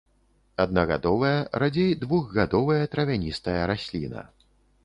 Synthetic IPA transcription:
ɐd̪̚nɐɣa̰d̪ɔvɐjɐɾad͡zʲejd̪vuɣɣad̪ɔvɐjɐt̪ɾɐvʲanʲist̪ɐjɐɾasʲlʲḭnɐ̰

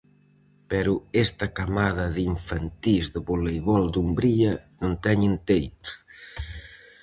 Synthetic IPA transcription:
pɛɾuɛst̪ɐkamaðɐðiɱfant̪izðəβolejβɔld̪umbɾiɐnont̪ɛɲent̪ejt̪

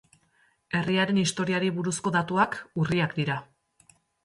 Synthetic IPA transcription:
e̞riaɾe̞nist̪o̞ɾiaɾiβuɾusko̞ðat̪uakuriakd̪iɾa

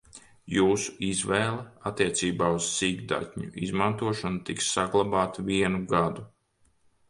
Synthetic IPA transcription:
juːsu̥izvɛːlˠɛat̪ːiɛt̪siːbaːuz̥siːɡd̪a̰t̪ʲɲṵʔizmant̪uɔʃɔnut̪iksːaɡlˠabaːt̪uviɛnuɡad̪u

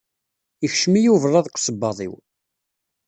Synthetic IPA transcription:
içʃmijuvərˤːɑðˤqʷsəbːɑðˤḭw

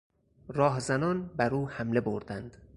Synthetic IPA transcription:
ɾɒːhzænɒːnbæɾuːhæmle̞bo̰ɾd̪ænd̪̥

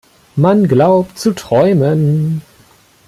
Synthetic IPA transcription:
manɡlaʊptt͡sutʁ̥ɔʏmən

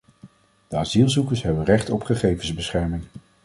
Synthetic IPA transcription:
d̥əazilˠzukəɹsɦɛbərɛχtɔpχəχejvənzbəsχɛɹmɪŋ

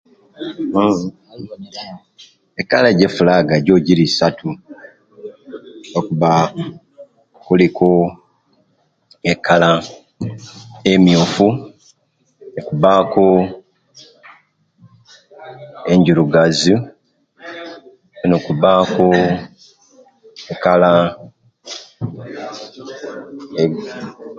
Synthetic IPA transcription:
ekːalaɟefulaɡaɟo̞ːɟiɾisatʰu | nokuβa | kuliko | ekʰːala | emjufu | nekuβaːko | e̞ɲɟuɾuɡazi | nokuβaːko | ekala | e

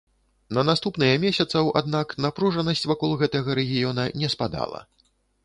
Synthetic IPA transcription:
nɐnast̪upnɨjɐmʲɛsʲɐt̪sɐwa̰d̪̚naknapɾuʐɐnɐsʲt͡sʲvakɔlˠɣɛt̪ɐɣɐɾɛɣʲijɔnɐnʲɛspad̪a̰lˠɐ̰

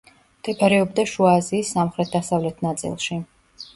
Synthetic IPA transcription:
md̪̥ɛbʰaɾɛɔbd̪aʃuaːziːsːamχɾɛt̪̚ʰd̪asavlɛt̪ʰnat̪sʼḭlˠʃi

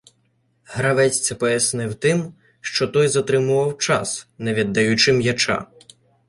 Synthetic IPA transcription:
ɦɾɐʋɛt͡sʲt͡sʲɐpɔjɐsnɪwt̪ɪm | ʃt͡ʃɔt̪ɔjzɐt̪ɾɪmʊʋɐwt͡ʃɑ̰snɛʋʲid̪ːɐjʊt͡ʃɪmjɐt͡ʃɑ̰

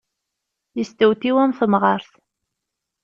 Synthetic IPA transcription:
jəst̪əwt̪iwæmθəmʁəɾθ

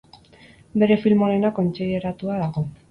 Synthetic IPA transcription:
be̞ɾe̞filmo̞ne̞nako̞nt͡siðe̞ɾat̪uaðaɣ̞o̞

